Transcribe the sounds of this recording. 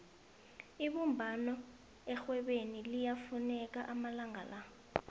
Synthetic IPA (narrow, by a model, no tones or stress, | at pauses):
iɓumbʱanɔ | ɛxwɛɓenilijafunɛk̬aʔamalaŋala